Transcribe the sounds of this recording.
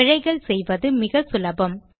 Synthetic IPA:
ɪɻɐɪɣɐɭsɛjʋɐðɯmɪɣɐsʊlɐbɐm

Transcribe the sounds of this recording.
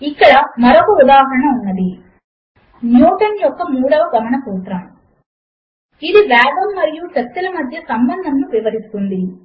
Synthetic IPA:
ikːɐɽɐmɐɾɔkɐud̪aːɦɐɾɐɳɐunːɐd̪i | njuːʈɐnjɔkːɐmuːɽɐʋɐɡɐmɐɳɐp̪uːt̪ɾɐm | iðiʋaːbɐmːɐɾijusɐt̪ːilɐmɐd̪ʱjɐsɐmbɐnd̪ʱɐmnuʋiʋɐɾisu̥k̪und̪i

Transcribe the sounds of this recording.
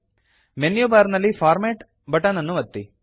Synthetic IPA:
menjoːbaːɾnɐlːifʰaːɾmeːʈ | bɐʈɐnɐnːuʋɐt̪ːi

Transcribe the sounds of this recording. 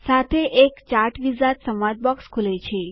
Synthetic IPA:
sat̪ʰeʔekt͡ʃaɾʈʋizat̪səmʋad̪̚bɔkskʰulet͡ʃʰe

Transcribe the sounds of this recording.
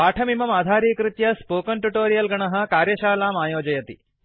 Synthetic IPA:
aːʈʰɐmimɐmaːd̪ʱaːɾiːkɾit̪jɐspoːkɐnʈuʈoːɾijɐlɡɐɳɐɦɐ̆kaːɾjɐʃaːlaːmaːjoːd͡ʒɐjɐt̪i

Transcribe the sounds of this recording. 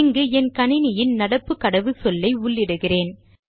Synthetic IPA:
ŋɡɯɛnkɐnɪnɪjɪnnɐɽɐpːɯkːɐɽɐʋɯsɔlːɐɪʊɭːɪɽɯɣɪreːn

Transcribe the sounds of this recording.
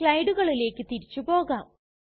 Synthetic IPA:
ɭɐjɖuɣɐɭile̞ːkːɨt̪iɾit͡ɕːupo̞ːɣaːm

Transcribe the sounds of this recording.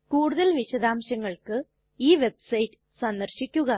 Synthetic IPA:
kuːɽuðɐlʋiɕɐd̪aːmɕɐŋːɐɭkɨ | iːʋe̞bsɐjtːɨ̥sɐnd̪ɐrɕikʲːuɣɐ

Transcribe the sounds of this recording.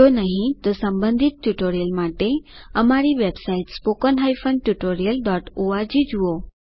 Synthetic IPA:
onəɦĩt̪osəmbə̃nd̪ʱit̪̚ʈːuʈoɾijəlmaʈeəmaɾiʋebsaiʈspokənɦajfəɳɖʈuʈoɾijəlɖɔʈoaɾd͡ʒid͡ʒuo

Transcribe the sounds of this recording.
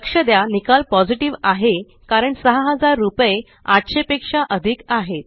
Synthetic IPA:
kʂəd̪janikalpɔd͡ziʈiʋaɦe | kaɾəɳsəɦəɦəd͡zaɾːupje | aʈ̪ɕepekʂaʔəd̪ʱikaɦet̪

